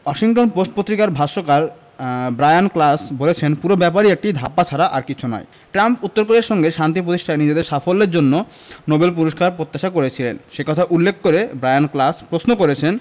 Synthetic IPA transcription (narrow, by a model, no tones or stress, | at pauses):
waʃiŋʈonposʈ̚pot̪ːɾikaɾbʱaʃokaɾ | bɾajanklasbolet͡ɕʰenpuɾobɛpaɾiek̚ʈid̪ʱa̰pːat͡ɕʰaɾaʔaɾkit͡ɕʰunɔ̰j | ʈɾamput̪ːoɾkoɾeɾʃɔŋɡeʃant̪ipɾot̪iʃʈʰaɾnid͡ʑed̪eɾʃafolːeɾd͡ʑonːo | nobelp̬uɾoʃkaɾpɾot̪ːaʃakoɾet͡ɕʰilenʃekɔt̪ʰaʔulːekʰːkoɾebɾajanklaspɾosnokoɾet͡ɕʰen